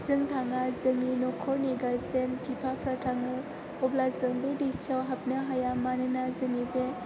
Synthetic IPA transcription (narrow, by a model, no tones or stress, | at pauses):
z̥ɯŋtʰaŋazɯŋinɔkʰɔɾniɡaɾsenpʰipʰapʰɾatʰaŋɯ | ɔblazɯŋbedesawɦap̚nɯɦajamanɯnazɯŋibe